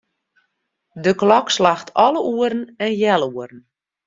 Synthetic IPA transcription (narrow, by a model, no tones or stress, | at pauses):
dəklɔkslaxtʰɔləʔuəɾn̩ɛnjɛlˠuəɾn̩